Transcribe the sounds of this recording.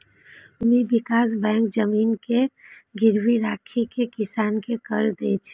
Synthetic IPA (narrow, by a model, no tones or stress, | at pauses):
ʊmiːʋɪkaːs̬bɛ̃ːŋkd͡ʒəmiːnkeɡɪɾʋiɾaːkʰikekɪsaːnkekɐɾd̪eːt͡ʃʰː